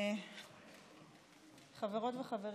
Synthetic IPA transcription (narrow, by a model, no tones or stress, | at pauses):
χaveʁo̞tveχaveʁ